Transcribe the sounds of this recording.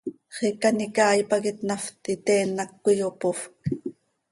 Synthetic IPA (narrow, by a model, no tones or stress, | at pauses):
χikanikɑːjpakit̪naft̪it̪ɛːnːakːujopofk